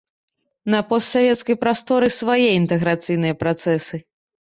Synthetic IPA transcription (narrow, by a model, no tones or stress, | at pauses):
nɐpɔst̪sʲavʲɛt̪skɐjpɾast̪ɔɾɨsvajɛint̪ɛɣɾat̪sɨjnɨjɐpɾat̪sɛsɨ